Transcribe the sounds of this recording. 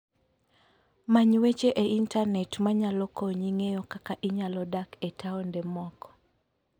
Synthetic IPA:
maɲwet͡ʃeʔeintanɛtmaɲalɔkoɲiŋejɔkakaʔiɲalɔdaketʰaɔndɛmɔkɔ̥

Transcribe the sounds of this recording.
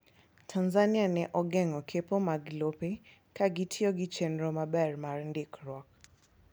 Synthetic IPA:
tʰanzanɪanɛʔɔɡɛŋɔkʰepomaɡlope | kaɡɪtʰjoɡɪt͡ʃenɾomabɛrmarndɪkɾwɔk

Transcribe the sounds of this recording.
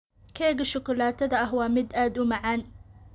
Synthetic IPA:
kʰɛːɣɐʃʊkʰʊlaːt̪ʰɐðɐɐɦwɑːmɪd̪aːd̪ʊmɐʕaːn

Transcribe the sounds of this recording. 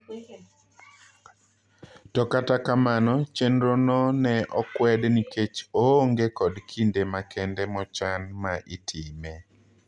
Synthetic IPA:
tɔkatakamanɔt͡ʃendɾonɔnɛʔɔkwɛdniket͡ʃoːŋɡekɔdkʰindemakʰɛndɛmɔt͡ʃanmaʔitʰɪme

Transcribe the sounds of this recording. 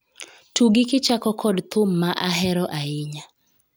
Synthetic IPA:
tuɡɪkɪt͡ʃakɔkʰɔdt̪ʊmːaʔaɦɛɾɔʔaɪɲa

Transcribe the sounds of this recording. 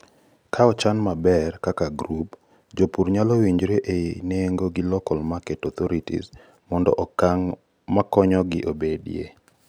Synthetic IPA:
kʰaɔt͡ʃanmabɛrkakaɡɾup | d͡ʒopuɾɲalowiɲd͡ʒɾeʔeneŋɡoɡɪlɔkɔlmaketɔt̪ɔɾitḭz | mɔndɔ̰ʔɔkaŋ | makɔɲɔɡɪʔobedijḛ

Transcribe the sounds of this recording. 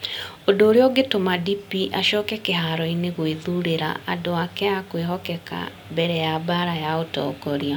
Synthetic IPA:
odoːɾeɔɡetomadipiʔaʃɔːkɛkeɦaɾɔineɣweðuɾeɾa̰ʔadoakɛjakweɦɔkɛka̰ | mbɛɾɛjabaɾajaotɔ̰kɔɾia

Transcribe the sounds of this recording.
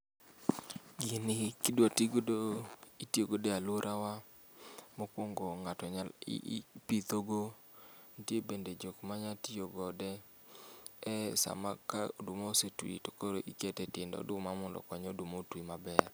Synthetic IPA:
ɡɪnɪkɪdwatiɡodoitioɡodealʊɾʔawa | mokwoŋɡoŋatɔɲalḭpit̪oɡo | ntjebended͡ʒokmaɲatioɡɔdɛ | ɛsa̰makadʊmosetuḭto̥koɾoʔiketɛtendɔ̰dʊmamɔndɔ̰kɔɲɔdumotwimabɛr

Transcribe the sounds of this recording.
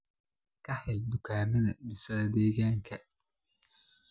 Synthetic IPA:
kʰɐhɛld̪ʊkʰaːmɪðɐmɪsɐɐd̪eːɣaːŋkʰɐ

